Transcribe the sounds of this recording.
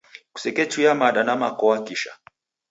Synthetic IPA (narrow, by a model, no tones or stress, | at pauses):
ku̥sɛkɛt͡ʃujamaɗanamakɔwakiʃa̰